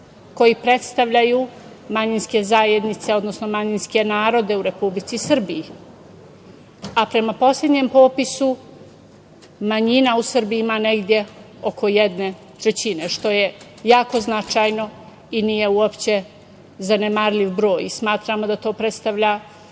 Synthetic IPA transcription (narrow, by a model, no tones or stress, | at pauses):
ko̞jipɾe̞t̪st̪aʋʎaju | maɲinske̞zaːjed̪nit̪se̞o̞d̪no̞sno̞maɲinske̞naːɾo̞d̪e̞uɾe̞publit̪sisr̩biji | apɾe̞mapo̞slʎʲe̞d̪ɲempo̞ːpisu | maɲinausɨr̩biimane̞ɡd̪ʲje̞ | o̞kʰo̞jed̪ne̞ | t̪ɾet͡ɕine̞ʃt̪o̞je̞ | jaːko̞znat͡ʃaːjno̞ | iniːje̞uopt͡ɕe̞ | zanemaɾlʲiʋbɾo̞ːjismaːt̪ɾamo̞d̪at̪o̞ːpɾe̞t̪st̪aʋʎa